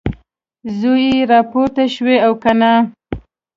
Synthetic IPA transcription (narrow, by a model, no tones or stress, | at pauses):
zojiɾɑpoɾt̪aʃweawkana